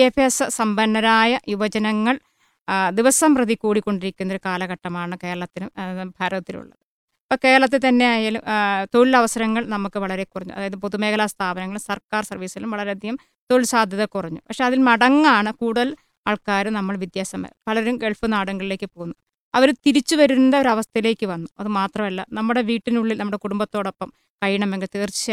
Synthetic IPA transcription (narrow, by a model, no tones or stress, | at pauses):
efesɨsɐmbɐnːɐɾaːjɐjuʋɐd͡ʑɐnɐŋːɐɭ | d̪iʋɐsɐmprɐðikːuːɽikːo̞ɳɖiɾikʲːunːɐoɾukaːlɐɣɐʈːɐmaːɳɨke̞ːɐɭɐt̪ːinumbʱaːɾɐðɐt̪ːilṵɭːɐðɨ | pːoːke̞ːɐɭɐt̪ːet̪ɐnːe̞jaːjaːlumt̪olɐʋɐsɐɾɐŋːɐɭnɐmukːɨʋɐɭɐɾe̞kurɐɲːṵʔɐ̰ðaːjɐðɨpoðume̞ːkʰɐlast̪ʰaːbɐnɐŋːɐɭumsɐrkaːrsɐrʋiːsilumʋɐɭɐɾeɐd̪ʱjɐm | t̪olsaːd̪ʱjɐðɐkurɐɲːupɐkʂe̞ɐðilmɐɽɐŋːaːɳɨkuːɽuðɐl | aːɭkaːɾunɐmːɐɭʋid̪jaːsɐmɐ̰pɐlɐɾumɡeɭfɨnaːɽuŋːɐɭile̞ːkːɨpo̞ːɣunːu | ɐʋɐɾt̪iɾit͡ɕːuʋɐɾuund̪ɐoɾɐʋɐst̪ʰɐile̞ːkʲːɨʋɐnːuɐðɨmaːt̪rɐmɐlːɐ̰nɐmːuɽe̞ʋiːʈːinuɭːilnɐmːuɽekuɽumbɐt̪ːo̞ːɽo̞pːɐm | kɐɻjɐɳɐmʋeŋɡet̪eːrt͡ɕi̥t͡ɕː